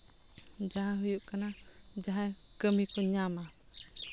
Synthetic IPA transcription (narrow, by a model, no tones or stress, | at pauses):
d͡ʒaɦãɦujuʔkanad͡ʒaɦakəmikɔɲama